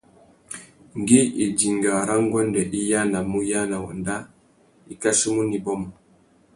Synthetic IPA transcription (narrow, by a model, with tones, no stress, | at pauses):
ŋɡi˦i˨d͡ʒi˨ŋɡa˨ɾa˦ŋɡɔ˦ndɛ˨ɗi˦jana˨muja˦na˨wɔ̰nda˦ | i˨kasu˦mu˦ni˨bɔ˦mɔ˨